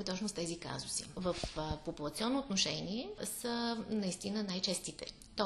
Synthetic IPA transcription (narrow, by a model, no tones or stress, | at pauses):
ɛt̪ɔt͡ʃnʊst̪ɛzika̰zʊsḭvəfpopulˠɐt̪sʲiɔnːoːt̪noʃɛniɛsənɐist̪inənajt͡ʃɛst̪it̪ɛ̰ | t̪ɔ